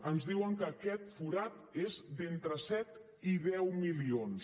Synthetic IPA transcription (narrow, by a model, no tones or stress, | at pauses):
ənzðiwəŋkəːkɛt̪fuɾat̪ezd̪ent̪ɾəsɛt̪ | iðɛwmilions